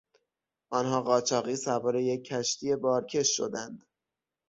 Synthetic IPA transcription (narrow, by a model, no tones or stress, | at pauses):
ʔɒːnɦɒːɢɒːt͡ʃʰɒːɣiːsævɒːɾe̞je̞cʰːæʃt̪iːe̞bɒːɾcʰe̞ʃːo̰d̪ænd̪̥